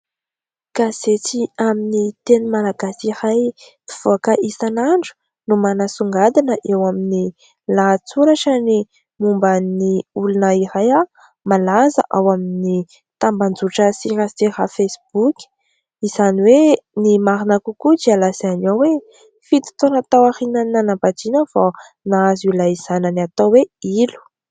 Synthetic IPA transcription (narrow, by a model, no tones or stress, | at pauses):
kazet͡siaminit̪enumalaɡasiɾaj | i̥v̥oakəʔisanaɳɖ͡ʐu̥ | numanasuŋɡad̪anəʔewamini | lat͡suɾaʈ͡ʂəni | mumbaniulunəiɾaja | malazə̰ʔawamini | t̪amband͡zuʈ͡ʂəsiɾatiɾafesib̥ukʲi̥ | iz̥aniwenimaɾinakukud͡ʒialasianowe | fit̪i̥t̪onat̪awaɾinananabad͡ʒ̪inəfa | naazilaiz̥anəniat̪oweilu̥